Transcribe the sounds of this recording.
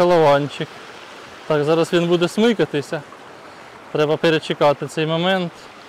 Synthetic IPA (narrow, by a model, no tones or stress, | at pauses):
ɐlˠɐʋɑnʲt͡ʃɪk | t̪ɑkzɑɾɐsʋʲinbud̪ɛsmɪkɐt̪ɪsʲɐ | t̪ɾɛbɐpeɾet͡ʃɪkɑt̪ɪt̪sɛjmɔmɛnt̪